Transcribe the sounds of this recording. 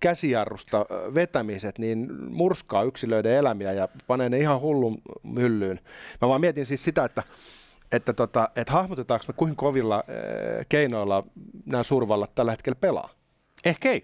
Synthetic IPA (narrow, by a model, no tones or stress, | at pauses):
kæsiɑrːust̪ɑʋet̪æmiset̪niːnmurskɑːyksiløideelæmiæjɑpɑneːneihɑhulːummylːyːnmæʋɑːmiet̪insissit̪æet̪ːæ | et̪ːæt̪ot̪ɑet̪hɑhmut̪et̪ɑːksmekuiŋkoʋilːɑkeinoilːɑnæːsurʋɑlːɑt̪t̪ælːhet̪̚kelpelɑ̰ː | ehkei